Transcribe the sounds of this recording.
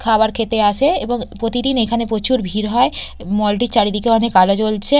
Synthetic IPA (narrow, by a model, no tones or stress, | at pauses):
kʰabaɾkʰet̪easʰeeboŋpɾot̪id̪inekʰanepɾot͡ɕuɾbʱiɾɦɔe | mɔlʈit͡ɕaɾid̪ikeɔnekalot͡ɕolt͡ɕʰe